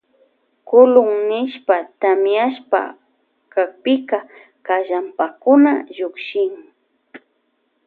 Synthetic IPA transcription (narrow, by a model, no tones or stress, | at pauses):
kʊlʊŋnɪʃpat̪amjaʃpa̰ | kak̚pɪka | kaʒampakʊnaʒʊkʃɪŋ